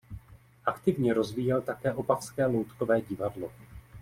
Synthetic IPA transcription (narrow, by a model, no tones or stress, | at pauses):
ʔakt̪ɪvɲɛɾo̞zviːjɛlt̪akɛːʔo̞pafskɛːlowt̪kovɛːɟɪvadlo̞